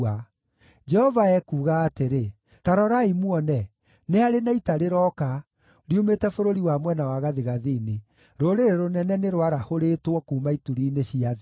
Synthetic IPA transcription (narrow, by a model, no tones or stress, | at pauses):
a | d͡ʒɛhɔvaɛkuːɣaːteɾe | taɾɔɾaimuɔnɛ | nehaɾenaitaɾeɾɔka | ɾiumetɛfoɾoɾiwamwɛnawaɣaðeɣaðine | ɾoɾeɾeɾonɛnɛneɾwaɾahoɾetwɔkuːmaituɾiːneɕiað